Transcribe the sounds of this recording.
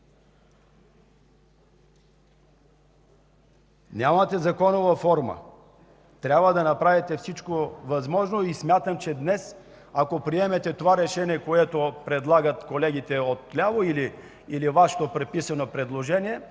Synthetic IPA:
nʲamət̪ɛzɐkɔnovɐfɔɾmə̰ | t̪ɾʲabvəd̪ɐnɐpɾavit̪ɛfsit͡ʃkovɐzmɔʒnoismʲjat̪əmt͡ʃɛd̪nɛs | akopɾiɛmɛt̪ɛt̪ovaɾɛʃɛniɛkoɛt̪opɾɛd̪lˠaɡət̪kolɛɡʲit̪ɛot̪ːlʲavoili | ilivaʃɛ̥t̪opɾɛpisɐnopɾɛd̪lˠoʒɛniɛ

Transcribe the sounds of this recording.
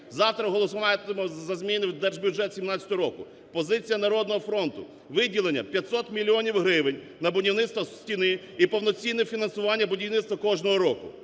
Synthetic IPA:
zɑwt̪ɾɐɦɔlˠɔsʊʋɑjt̪ɪmɛzɐzmʲinɪwd̪ɛrʒbʲjʊʒɛt̪sʲimnɑt͡sʲɐt̪ɔɦɔɾɔkʊ̰ | pɔzɪt͡sʲijɐnɐɾɔd̪nɔɦɔfɾɔnt̪ʊ̰ | ʋɪdʲilˠenʲːɐ̰pʲjɐt̪sɔt̪mʲilʲːɔnʲiwɦɾɪʋɪnʲ | nɐbʊdʲiwnɪt̪st̪ʋɐsʲtʲinɪ | ipɔwnɔt͡sʲinːɛfʲinɐnsʊʋɑnʲːɐbʊdʲiwnɪt̪st̪ʋɐkɔʒnɔɦɔɾɔkʊ̰

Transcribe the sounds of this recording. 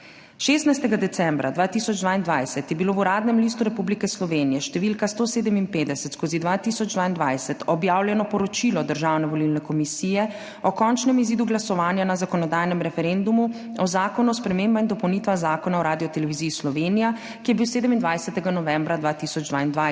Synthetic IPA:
ʃest̪najst̪ɛɡad̪ɛsɛmbɾa̰d̪ʋaːt̪isɔd͡ʒd̪ʋaːind̪ʋajsɛt̪jɛbiloːuɾaːd̪nɛmlist̪uɾɛpublikɛslɔʋeːnijɛʃt̪ɛʋilkast̪oːseːd̪ɛminpeːd̪ɛsɛt̪skoːzid̪ʋaːt̪isɔd͡ʒd̪ʋaːind̪ʋajsɛt̪ɔbjaːwljɛnɔpɔɾɔt͡ʃilɔd̪əɾʒawnɛʋɔlilnɛkɔmisijɛ | ɔkɔnt͡ʃnɛmiziːd̪uɡlasɔʋaːnjanazakɔnɔd̪ajnɛmɾɛfɛɾend̪umu | ɔzaːkɔnuɔspɾɛmembaind̪ɔpɔwnit̪ʋaxzaːkɔnaɔɾaːd̪ijɔt̪ɛlɛʋiziːslɔʋenija | kijɛbiwseːd̪ɛmind̪ʋajsɛt̪ɛɡanɔʋɛmbɾad̪ʋaːt̪isɔd͡ʒd̪ʋaind̪ʋa

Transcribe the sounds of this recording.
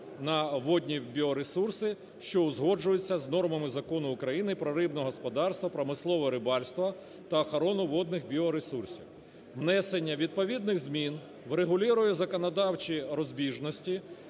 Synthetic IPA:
nɐʋɔd̪ʲnʲibʲiɔɾesursɪ | ʃt͡ʃɔʊzɦɔd͡ʒʊjʊt͡sʲːɐznɔrmɐmɪzɐkɔnʊːkɾɐjinɪpɾɔɾɪbnɔɦɔspɔd̪ɑrst̪ʋɐpɾɔmɪslˠɔʋɔɾɪbɑlʲst̪ʋɐ | t̪ɐːxɐɾɔnʊʋɔd̪̚nɪxbʲiɔɾesursʲḭw | ʋnɛsenʲːɐʋʲid̪̚pɔʋʲid̪nɪɣzmʲin | ʋɾeɦʊlʲiɾʊjɛzɐkɔnɐd̪ɑwt͡ʃʲiɾɔzʲbʲiʒnɔsʲtʲi

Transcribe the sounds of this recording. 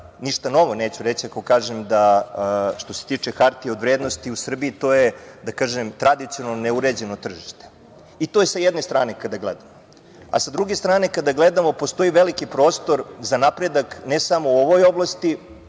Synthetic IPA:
niʃt̪ano̞ʋoneːt͡ɕuɾet͡ɕiakokaːʒemd̪a | ʃt̪o̞set̪it͡ʂexaɾt̪iod̪ʋɾeːd̪nost̪iusr̩biːt̪o̞jed̪akaːʒemt̪ɾad̪it̪sionaloneuɾed͡ʑenot̪r̩ʒiʃt̪e̥ | it̪ojesajed̪ne̞st̪ɾaːne̞kad̪aɡlḛd̪amo | a̰sad̪ɾuɡest̪ɾaːne̞kad̪aɡled̪amo̞po̞st̪o̞iʋelikipɾo̞ːst̪o̞ɾzanapɾed̪aknesamouoʋo̞jo̞blˠast̪i

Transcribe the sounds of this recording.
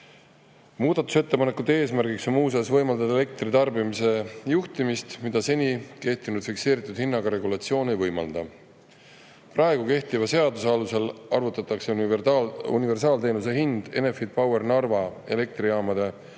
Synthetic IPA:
muːd̪̥ɑt̪u̥set̪ːe̞pɑnekːˑud̪ee̞ːs̬mærɡikso̞nmuːs̬esvɤjmɑld̪̥ɑd̪ɑele̞k̚t̪rit̪ɑrbimise̞juht̪imist̪mid̪̥ɑse̞nʲike̞ht̪inud̪̥fikse̞ːɾit̪ːˑud̪̥hinːɑɡɑɾe̞ɡulɑt̪sio̞ːne̞jvɤjmɑ̰ld̪̥ɑ | prɑeɡ̥uke̞ht̪ivɑse̞ɑd̪usɑluse̞lɑrvut̪ːˑɑt̪ːˑɑkseu | ṵnive̞rsɑːlt̪e̞ːnus̬e̞ɦind̪̥e̞̰ne̞fid̪̥̚pɑwe̞rnɑrvɑe̞̰le̞k̚t̪riɑːmɑd̪̥e̞

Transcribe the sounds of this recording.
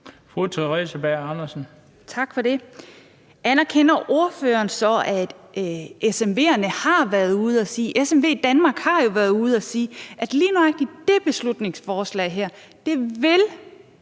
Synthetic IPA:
fʁut͡sʰeʁḭsəb̥æɐɑnɐsn̩ | t͡sʰɑ̈ɡ̥fɒ̽d̥e̝ | ʔænɐkʰen̰ɐʔo̝ɐføːɐːnsɒ̽æd̥ʔesemʋe̝̰ːɐnəhɑ̈ʋæɐð̩ˠuð̞̩ˠæsiːʔesemʋe̝̰ːid̥ænmɑ̈ːɡ̥hɑ̈jo̝ʋæɐðˠuð̞̩ˠæsiːʔæd̥liːnoæɡ̥̚d̥id̥e̝b̥e̝slud̥ne̝ŋsfɒːslɛ̰ɪɦæɐ̰ | d̥e̝ʋe̝l

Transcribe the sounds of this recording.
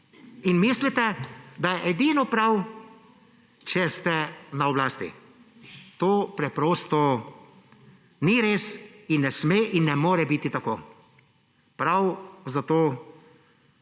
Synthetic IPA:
inmislit̪ɛd̪ajɛʔɛd̪iːnɔpɾaw | t͡ʃɛst̪ɛnaɔblaːst̪ḭ | t̪oːpɾɛpɾoːst̪ɔ | niɾeːsinːɛsmeːʔinːɛmoːɾɛbit̪it̪akoː | pɾawzat̪oː

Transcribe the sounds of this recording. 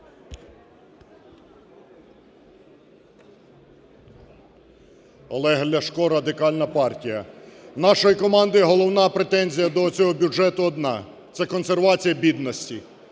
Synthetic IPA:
ɔlˠɛɦlʲɐʃkɔɾɐd̪ɪkɑlʲnɐpɑrtʲijɐwnɑʃɔjikɔmɑnd̪ɪiɦɔlˠɔwnɑpɾet̪ɛnʲzʲijɐd̪ɔt͡sʲɔɦɔbʲuʒɛt̪ʊɔd̪nɑ | t̪sɛkɔnserʋɑt͡sʲijɐbʲid̪nɔsʲtʲi

